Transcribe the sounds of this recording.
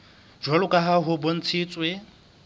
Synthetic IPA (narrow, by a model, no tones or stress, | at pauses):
d͡ʒwalʊkʼaɦaɦʊbon̩t͡sʰiːt͡sʼwe